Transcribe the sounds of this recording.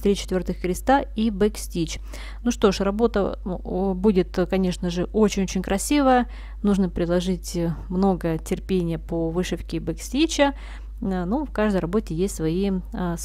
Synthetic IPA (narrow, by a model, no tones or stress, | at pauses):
t̪ɾʲit͡ɕɪ̥t̪vʲo̞rt̪ɨxkɾʲɪst̪aibɛksʲtʲit͡ɕ | nuʂt̪o̞ʂrɐbo̞t̪ə̰ | budʲɪt̪kɐnʲe̞ʂnəʐɨʔo̞t͡ɕɪnʲot͡ɕɪnʲkɾʔɐsʲivəjə | nuʐnəpɾʲɪd̪lˠɐʐɨtʲmno̞ɡətʲɪrpʲenʲɪjəpovɨʂɨfkʲɪbɨksʲtʲit͡ɕə | nufkaʐd̪əjrɐbo̞tʲɪjesʲtʲsvɐis